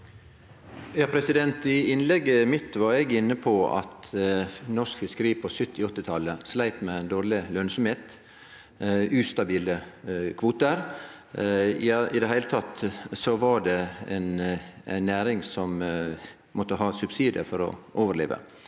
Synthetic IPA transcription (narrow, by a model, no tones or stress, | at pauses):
jɑːpʰɾɛsɪd̪ɛnt̪ɪɪnlɛɡːəmɪt̪ʋɑɾɛɡɪnːəpʰɔɑ̰t̪ | nɔskfɪskɾiːpʰɔsʏt̪ːɪɔt̪ːɪt̪ʰɑlːəslæɪt̪mɛd̪oːɾɭɪlœnsɔmheːt̪ | ʉːst̪ɑbiːləkʰʋuːt̪əɾ | ɪd̪ɛɦæɪlət̪ʰɑt̪sɔʋɑɾɖɛɛ̰nɪnːæːɾɪŋsɔm | mʔɔt̪ːəɦɑːsʉbsiːd̪ə̰fɔɾɔ̰ʔoːʋəɾlḛːʋə̰